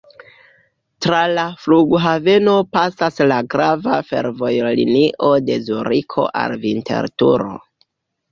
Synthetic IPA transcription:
tɾalafluɡɦave̞no̞pasaslaɡɾavafe̞̰ɾvo̞jlḭniʔo̞de̞zuɾikʰo̞̰ʔa̰lvinte̞̰ɾtuɾo̞̰

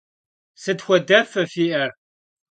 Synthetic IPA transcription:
sɨd̪xʷɔdɐfɐfiːʔɐr

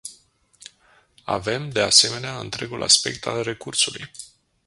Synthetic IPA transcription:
a̰ve̞md̪e̞ase̞me̞neaɨnt̪ɾe̞ɡulʔa̰spe̞̰k̚t̪ʰalre̞kursuluj

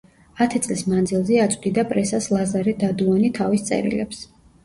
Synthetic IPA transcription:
at̪ʰit̪sʼlismand̪zilˠzɛat̪sʼd̪id̪apʼɾɛsaslˠazaɾɛd̪ad̪uanit̪ʰavist̪sʼɛ̰ɾḭlɛps

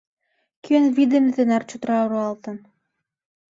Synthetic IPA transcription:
kʲønvʲid̪ɘ̆nʲt̪ɘ̆nɑrt͡ɕut̪ɾɑɾuɑlˠt̪ɤ̆n

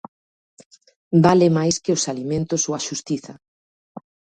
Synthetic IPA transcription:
balɪmajskɪʊsalimẽnt̪ʊsoaʃust̪iθɐ

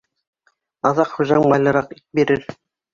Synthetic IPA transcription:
ɑðɑqχuʒɑɴbɑjlˠɤ̆ɾɑqibeɾɘɾ

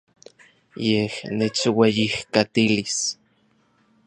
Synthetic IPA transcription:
jehnet͡ʃwejihkat̪ilis

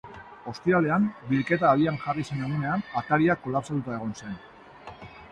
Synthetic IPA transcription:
o̞st̪iale̞ambilke̞t̪aːðiaŋʝarisene̞ɣ̞une̞anat̪aɾiakːo̞lapsat̪ut̪ae̞ɣ̞o̞nse̞n

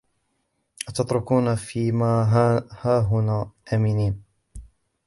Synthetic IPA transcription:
ʔat̪ɑt̪ˤɾʊkuːnafiːmaːɦhaːɦʊnaːʔaːmɪniːn

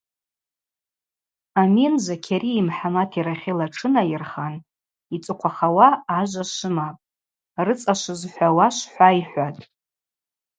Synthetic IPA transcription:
aminzakʲʰaɾiːmħamatʰiɾaχʲilaʈ͡ʂʰɨnajɪrχan | it͡sʼɨqʷʰaχawaːʒʷaʃʷɨmapʼ | rɨt͡sʼaʃʷɨzħʷᶣawaʃʷħʷaiħʷatʼ

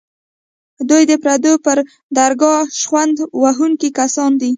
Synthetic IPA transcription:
hd̪ujd̪əpɾad̪opəɾ | d̪aɾɡɑʃwand̪waɦuŋkikasɑnd̪i

